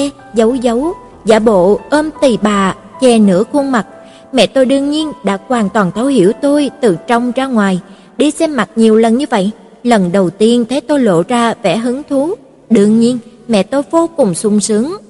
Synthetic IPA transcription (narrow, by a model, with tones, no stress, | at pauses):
zə˨˦wzə˨˦w | za̰ː˧˩ɓo̰˧˨ʔəː˧mt̪i˨˩ɓaː˨˩ | t͡ɕɛ˨˩nɨ̰˧˥əku˧əŋma˨˩t̚ | mɛ̰˧˨t̪o˧jɗɨ˧əŋɲi˧ənɗa̰ː˧˥kwaː˨˩nt̪waː˨˩nt̪ʰə˨˦whi˧˥əwt̪o˧jt̪ɨ˨˩t͡ɕɔ˧wŋ͡mzaː˧ŋwaː˨˩j | ɗi˧sɛ˧mːa˨˩t̚ɲi˨˩əwlə˨˩nɲɨ˧və̰˧˨jʔ | lə˨˩nɗə˨˩wt̪i˧ənt̪ʰe˨˦t̪o˧jlo̰˧˨zaː˧vɛ̰˧˥˩ɦɨ˨˦ŋt̪ʰu˨˦ | ɗɨ˧əŋɲi˧ən | mɛ̰˧˨t̪o˧jvo˧kʊ˨˩ŋ͡msʊ˧ŋ͡msɨ˨˦əŋ